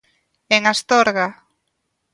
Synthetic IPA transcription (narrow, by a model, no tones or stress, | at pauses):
eŋast̪ɔɾɣa